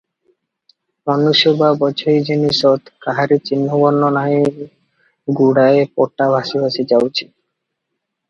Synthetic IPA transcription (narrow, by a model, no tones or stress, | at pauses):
pɔnːuʃobabɔt͡ɕʰojd͡ʑeniʃɔt̪kaɦaɾit͡ɕinːobɔɾnonai | ɡuɽaepɔʈːabʱaʃibʱaʃid͡ʑawt͡ɕʰi̥